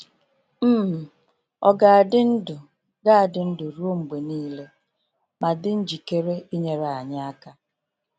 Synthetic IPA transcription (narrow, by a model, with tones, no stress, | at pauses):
m̩˦m̩˨ | ɔ˦ɡa˨a˨dɪ˦n̩˦dʊ˨ | ɡa˦a˨dɪ˦n̩˦dʊ˨ɾu˦ŋ͡m̩˨ɡ͡be˨niː˦le˦ | ma˨dɪ˦n̩˦d͡ʒi˨ke˦ɾe˦i˦ɲe˦ɾa˨ɲa˦a˦ka˦